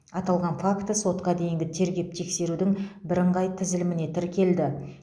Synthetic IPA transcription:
ɑt̪ɑlˠʁɑnfakt̪əso̞t̪qɑd̪e̞jɪŋɡʲɪt̪ʰe̞ɾɡʲe̞p̚t̪ʰe̞kse̞ɾud̪ɪŋbɪɾəɴʁɑjt̪ʰɪzɪlɪmɪne̞t̪ʰɪɾkʲʰe̞ld̪ɪ

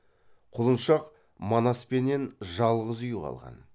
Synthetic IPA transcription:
qʰʊlˠənʃɑq | monɑspe̞ne̞nʒɑlˠʁəzʏjuʁɑ̰lˠʁɑ̰n

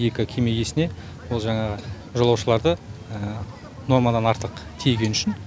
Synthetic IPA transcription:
je̞kʲɪkʲʰeme̞je̞sɪne̞ | wo̞lˠʒɑɴɑʁə | ʒolˠɑwʃəlˠɑɾd̪əə | no̞ɾmad̪ɑnɑɾt̪əqt̪ʰejɡʲe̞nʏʃɪn

